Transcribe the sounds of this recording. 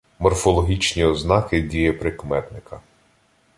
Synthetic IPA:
mɔrfɔlˠɔɦʲit͡ʃnʲiɔznɑkɪdʲijɛpɾɪkmɛt̪nɪkʰɐ

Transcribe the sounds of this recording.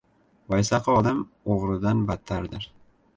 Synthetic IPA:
bɒjsaqʰɨɒd̪am | oʁɾɪd̪anbat̪ʰːaɾd̪ɪɾ

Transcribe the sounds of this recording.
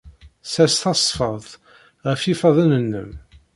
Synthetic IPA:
sæst̪ɑsˤfəðˤ | ʁəfifɑðˤænənːə̰m

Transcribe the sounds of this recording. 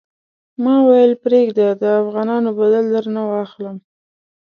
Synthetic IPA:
mɑwajəlpɾeɡd̪ad̪əafɣɑnɑnobad̪əld̪əɾnawɑxləm

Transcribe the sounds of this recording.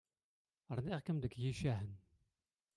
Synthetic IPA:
əɾˤniʁkəmd̪əkːjiʃæɦən

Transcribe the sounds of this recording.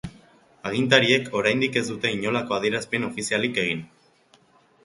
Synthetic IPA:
aɣ̞int̪aɾie̞ko̞ɾajnd̪ike̞zd̪ut̪e̞iɲo̞lako̞aðie̞ɾaspe̞no̞fisialike̞ɣ̞in

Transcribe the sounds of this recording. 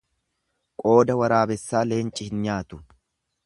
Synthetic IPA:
kʼo̞ːd̪ɐwɐɾaːbɛsːaːle̞ːnt͡ʃʼːɪhɪnɲaːt̪ʊ̥

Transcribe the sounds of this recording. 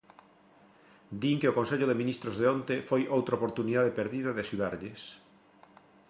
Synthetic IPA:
d̪iŋkeokonseʎoðemĩnist̪ɾozðeont̪efojʔowt̪ɾaopoɾt̪uniðaðepeɾðiðɐðɪaʃuðaɾʎɪs

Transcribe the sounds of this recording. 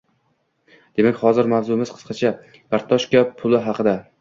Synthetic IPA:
d̪̥e̞makʲhɒzɪɾmavzʊɪmɪzqʰɨ̥sqʰɑt͡ʃʰa | kʰaɾt̪ʰːɒʃkʲapʰʊlˠɪɦɑqʰɨd̪a

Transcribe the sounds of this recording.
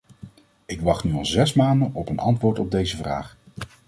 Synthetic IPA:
ɪkʋɑχtnyɑlˠzɛsmaːndənʔɔpənɑ̰ntʋʊːɹtɔb̚dejzəvra̰ːχ

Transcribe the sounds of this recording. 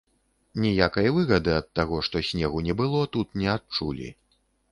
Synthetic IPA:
nʲijakɐjɐvɨɣɐd̪ɨɐt̪ːaɣɔʂt̪ɔsʲnʲɛɣunʲɛbɨlˠɔt̪ut̪nʲɛat̪̚t͡ʂṵlʲḭ

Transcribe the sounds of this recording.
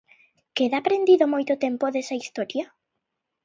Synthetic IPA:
keðaːpɾend̪iðomojt̪ot̪empoðesaist̪ɔɾja

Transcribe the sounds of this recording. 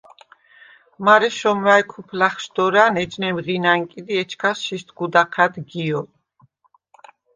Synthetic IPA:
maɾɛʃɔmwaɛkʰupʰlaχʃd̪ɔɾaːnɛd͡ʒnɛmʁinaŋkʼid̪iɛt͡ʃʰkʰasʃist̪ʰɡud̪aqʰad̪ɡiɔ

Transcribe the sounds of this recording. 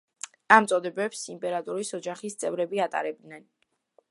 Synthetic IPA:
amt̪sʼɔd̪ɛbɛpsimpʼɛɾat̪ʼuɾisɔd͡ʒaχist̪sʼɛvɾɛbiat̪ʼa̰ɾɛb̚d̪nɛn

